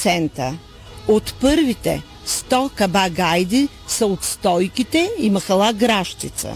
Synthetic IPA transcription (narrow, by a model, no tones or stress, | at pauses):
sɛnt̪ə | ot̪pɤɾvit̪ɛ̰ | st̪ɔkɐbaɡajd̪i | səot̪st̪ɔjkit̪ɛimɐxɐlˠaɡɾaʃt̪it̪sə̰